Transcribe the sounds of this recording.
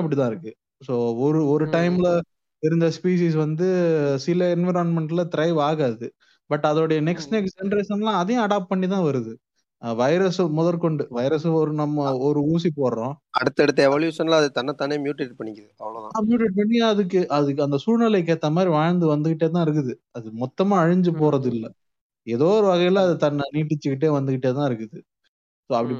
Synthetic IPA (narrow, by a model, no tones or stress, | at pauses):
ɐp̬ːɐɽit̪ãːɪɾɯkːɯ | soːɔɾɯɔɾɯʈɐɪmlɐ | ɪɾɯnd̪ɐspiːs̬iːs̬ʋɐnd̪ɯsɪlɐɛnʋɐɪɾaːnmɛɳʈɪlɐt̪ɪɾɐɪʋaːɣaːðɯ | bɐʈːɐðoːɽɐjɐnɛksnɛksd͡ʒɛɳɖɾesɐnlãːɐðɐjõɐɽaːp̚ʈ̚pɐɳːit̪ãːʋɐɾɯðɯ | ʋɐɪɾɐsmʊðɐɾkɔɳɖɯʋɐɪɾɐsɯɔɾɯnɐmːɐɔɾɯuːs̬ipoːɾɐɾõːɐɽɯt̪ːɐɽɯt̪ːɐɛʋaːɭjuːʂɐnlːɐðɯt̪ɐnːɐt̪ːaːnemjuːʈːɪʈ̚pɐɳːɪkːɐðɯɐʋːɐloːðããːmjuːʈ̬ːɛʈ̚pɐɳːɪaɐðɯkːɯʔɐðɯɐnd̪ɐsuːɾnɐlɐɪk̬ːeːt̪ːɐmaːd̪ɾiʋaːɻnd̪ɯʋɐnd̪ɯkɪʈːeːt̪ãːɪɾɯk̬ːɯðɯɐðɯmɔt̪ːɐmaːɐɻɪɲd͡ʒɯpoːɾɐðɯɪlːɐ | ɛðoːɾɯʋɐɣɐjlɐɐðɯt̪ɐnːɐniːʈːɪt͡ʃːɯkɪʈ̬ːeːʋɐnd̪ɯkɪʈːeːt̪̬ãːɪɾɯkːɯðɯ | soːɐpːɐɽi